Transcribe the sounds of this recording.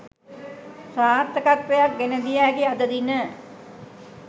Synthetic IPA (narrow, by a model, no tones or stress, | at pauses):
saːt̪ːəkat̪ʋejak̚ɡenəd̪iæːkiad̪əd̪inə